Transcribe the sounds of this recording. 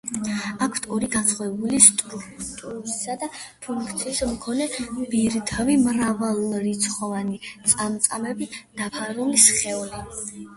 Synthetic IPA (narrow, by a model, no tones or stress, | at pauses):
akʰw̥t̪ʰɔɾiɡansʰχɔɛbulist̪ʼɾukt̪ʼuɾisad̪apʰuŋkʰt̪sʰiːsmkʰɔnɛbiɾt̪ʰavimɾavalˠɾit̪sʰχɔvanit̪sʼamt̪sʼamɛbid̪̥apʰaɾulisχɛli